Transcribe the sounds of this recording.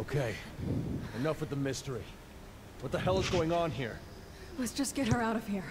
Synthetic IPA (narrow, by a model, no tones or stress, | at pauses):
oʊkʰeɪ | ɨnʌfə˞ðəmɪstə˞i | wʌt̪̚ðɨhɛlˠəzɡoʊɪ̃ŋə̃nɦḭɹ | lɛtsd̥ʒ̥ʌsɡ̥ɛt̚ə˞aʊɾʌv̥hiɹ